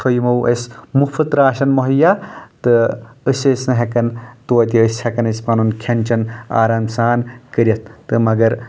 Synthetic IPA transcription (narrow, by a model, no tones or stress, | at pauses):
t̪ʰojmɐwʔɐ̰smufʰɨt̪ɾaːʃɐnmɐɦɐjat̪ɨəsʲeːsnɐɦɐkɐnt̪oɐt̪̬iəshɐkɐnɐsʲpɐnunkʰɐnʲt͡ʃɐna̰ːɾamsaːnkəɾʲɐt̪̚ʰt̪ɨmɐɡɐɾ